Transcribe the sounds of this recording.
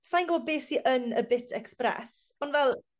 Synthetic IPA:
sajnɡɔbɔd̚beːsiʔənəbɪtʰɛksprɛ̰sɔnvɛlˠ

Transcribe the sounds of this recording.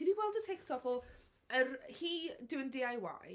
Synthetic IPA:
iniwɛlˠdətʰɪktʰɔkɔ | ərhiːdɪwəndɪajwa̰

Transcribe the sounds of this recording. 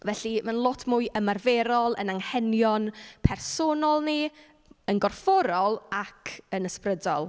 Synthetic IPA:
vɛɬimanlˠɔtʰmuːjʔəmarvɛɾɔlˠə̰naŋhɛnjɔnpʰɛrsonɔlˠni | ənɡɔrfɔɾɔlˠakʰənəsprədɔ̰lˠ

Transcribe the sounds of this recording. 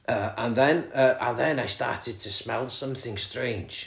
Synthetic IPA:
ʔʌʔə̃nðə̃nʌʔə̃nðə̃naɪstɑ̰ˑtɪd̚tʰəsmɛlˠsʌ̃mθɪ̃ŋstɹ̥ẽɪ̃nd͡ʒ̥

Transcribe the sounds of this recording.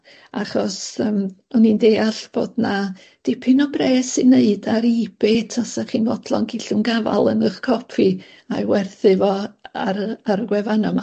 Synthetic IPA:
a̰χɔsəːmɔnindeːaɬb̥o̰ːdna | d̥ɪpʰɪnɔbreːsɨneɨdaɾib̥etʰasaχiːnvɔdlˠɔ̰nɡɪɬʊnɡava̰lˠənəχkʰɔpʰi | awɛrθɨvɔaɾarɡwɛvanɔma

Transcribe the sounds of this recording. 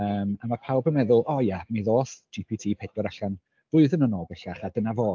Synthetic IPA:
əːmamapʰawbənmɛðʊlˠʔɔjamiðoːθd͡ʒipʰitʰiːpʰɛdwɔɾaɬan | v̥ʊɨðənənɔːbɛɬaχadənavoː

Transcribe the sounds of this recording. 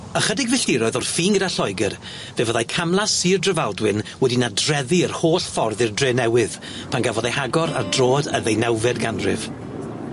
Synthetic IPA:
əχədɪɡvɪɬɪɾɔɨðɔrfiːŋɡədaɬɔɨɡɨr | vevəðajkʰamlˠasiːrdrəvalˠdwɨnwɛdinadrɛðiərhoːɬfɔrðɪrdreːnɛwɨð̥ | pʰanɡavɔðajhaɡɔɾa̰rdroːdəðejnɛwvɛdɡanrɪv̥

